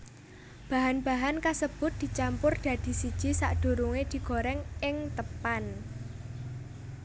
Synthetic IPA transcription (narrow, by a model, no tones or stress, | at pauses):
b̥a̤ɦanb̥a̤ɦankasəb̥ʊ̤t̪̚d̪̥i̤t͡ʃampʊrd̪̥ä̤d̪̥i̤sid̥ʒ̥i̤saʔɖ̪̥o̤ɾuŋed̪̥i̤ɡ̥o̤ɾɛŋɪŋt̪əpan